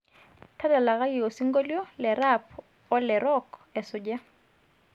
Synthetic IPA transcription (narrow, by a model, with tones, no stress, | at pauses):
tʰa˦da˨la˨ɣa˦ki˨o˨si˦ŋɡɔ˦ljɔ˦lɛ˨ɾapʰ | ɔ˦lɛɾɔkɛ˨sʊ˨d͡ʒa˦